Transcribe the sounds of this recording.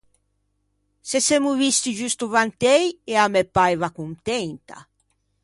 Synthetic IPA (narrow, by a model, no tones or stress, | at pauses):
sesemuvist̪id͡ʒust̪uvant̪ɛjeamepːajvakunt̪ɛnt̪a̰